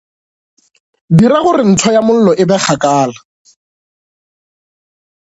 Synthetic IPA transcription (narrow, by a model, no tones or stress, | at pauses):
diɾaɣʊrɪn̩tʰɔjamʊl̩lɔʔɪbɛk͡xʰakaːla